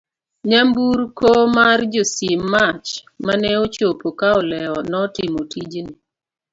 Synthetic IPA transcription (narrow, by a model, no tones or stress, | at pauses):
ɲambuɾkomard͡ʒosimːat͡ʃ | manɛot͡ʃopokaɔlɛɔnɔtɪmotid͡ʒni